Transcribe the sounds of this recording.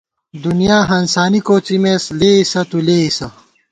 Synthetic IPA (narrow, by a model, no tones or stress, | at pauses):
d̪unijaːɦɐnsaːnikoːt͡simeːsleːisɐt̪uleːisɐ